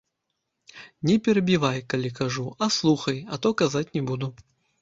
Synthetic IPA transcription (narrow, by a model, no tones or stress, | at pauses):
nʲɛpʲɛɾɐbʲivajkalʲikaʐuɐslˠuxɐjɐt̪ɔkazat͡sʲnʲɛbud̪u